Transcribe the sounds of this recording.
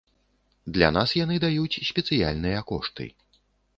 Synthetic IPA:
d̪lʲa̰nasjanɨd̪ajut͡sʲsʲpʲɛt̪sɨja̰lʲnɨjɐkɔʂt̪ɨ̰

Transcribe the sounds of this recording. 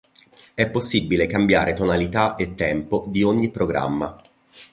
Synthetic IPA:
ɛpːosːibːilekambjaːɾet̪onalit̪aʔet̪ːɛmpod̪ioɲːipːɾoɡɾa̰mːa̰

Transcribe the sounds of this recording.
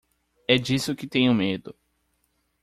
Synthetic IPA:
ɛd͡ʒisʊkɪt̪ẽj̃ʊmed̪ʊ

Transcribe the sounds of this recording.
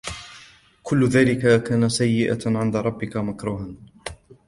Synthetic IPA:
kʊlːʊðaːlɪkakaːnasajːɪʔa̰ʕɪnd̪aɾˤɑbːɪkamakɾuːɦan

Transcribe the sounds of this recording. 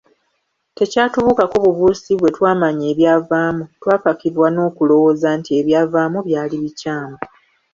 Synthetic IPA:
te̞caːtuβukakoβuβuːsiβwe̞twaːmaɲe̞ːβjavaːmutwaːpakiɾwano̞ːkulo̞wo̞zantie̞βjaːvaːmuβjaːliβicaːmo

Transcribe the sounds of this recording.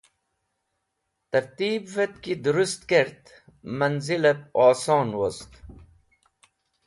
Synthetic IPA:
t̪ɐɾt̪iːbvet̪kid̪ɾust̪keɾt̪ | mɐnzilep̚ɑːsoːnwost̪

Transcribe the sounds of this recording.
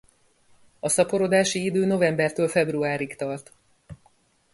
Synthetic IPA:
ɒsɒpo̞ɾod̪aːʃiid̪øːno̞vɛmbɛrt̪øːlfɛbruaːɾikt̪ɒrt̪

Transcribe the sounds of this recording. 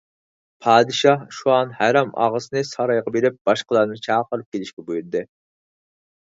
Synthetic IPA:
pʰɑːd̪ɨʃɑhʃuɑnhæɾɑmɑ̰ʁəsɨnɨsɑɾɑjʁɑbeɾɪp̚b̥ɑʃqəlˠɑɾnɨt͡ʃʰɑːqəɾɨp̚kʲelɪʃkʲɛbujuɾd̪ɨ

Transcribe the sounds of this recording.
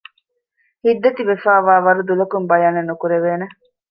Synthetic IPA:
hid̪ːet̪iʋefaːʋaːʋɐɾud̪ulɐkumbɐjɐnenːukuɾeʋeːne

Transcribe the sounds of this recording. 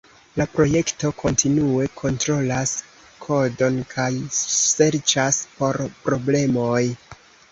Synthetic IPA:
lapɾo̞je̞kto̞kʰo̞ntinue̞kʰo̞ntɾo̞las | kʰo̞do̞nkʰajse̞ɾt͡ʃaspo̞ɾpɾo̞ble̞mo̞j

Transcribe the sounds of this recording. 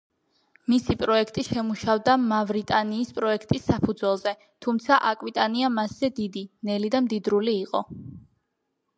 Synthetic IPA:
misipʼɾɔɛkʰt̪ʼiʃɛmuʃavd̪amavɾit̪ʼaniːspʼɾɔɛkʰt̪ʼisːapʰud̪zwɛlˠzɛ | t̪ʰumt̪sʰaʔakʼwit̪ʼaniamasz̥ɛd̪id̪inɛlid̪amd̪id̪ɾuliːqʼɔ

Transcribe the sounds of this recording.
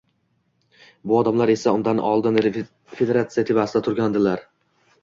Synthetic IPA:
bʊɒd̪amlaɾe̞saʊnd̪anɒ̰lˠd̪ɪn | fed̪e̞ɾat̪sɨijat̪ʰevasɪd̪at̪ʰʊɾɡʲand̪ɪlaɾ

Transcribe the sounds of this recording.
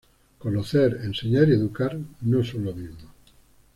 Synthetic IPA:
konoθeɾenseɲaɾieðukaɾnõesolomizmo

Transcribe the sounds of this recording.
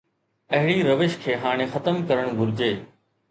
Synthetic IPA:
ɐɦɪɽiɾɐʋɪʃkʰeːɦaːɽ̃ẽxɐt̪əmkɐɾəɽ̃ɡʱʊɾɪd͡ʑeː

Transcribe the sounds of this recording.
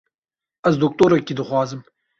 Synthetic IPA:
ɐzd̪uk̚t̪oɾɐkʲid̪əxwɑːzɨm

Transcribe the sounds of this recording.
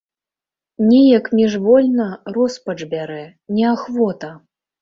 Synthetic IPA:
nʲɛjɐkmʲɛʐvɔlʲnɐrɔspɐt͡ʂbʲaɾɛ | nʲɛaxvɔt̪ɐ

